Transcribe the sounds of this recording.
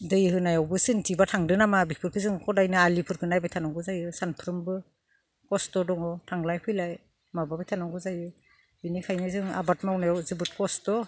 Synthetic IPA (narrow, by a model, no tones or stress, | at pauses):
dɯjhɯnajawbɯsɯntʰibatʰaŋdɯnamabipʰɯɾkʰɯzɯŋkʰɔdajnɯalipʰɯɾkʰɯnajbajtʰanaŋɡɯzajɯsanpʰɾɯmbɯ | kɔstɔdɔŋɔtʰaŋlajpʰɯjlaj | mababajtʰanaŋɡɯzajɯ | binikʰajnɯzɯŋa̰batmawnajawzɯbɯt̚kɔstɔ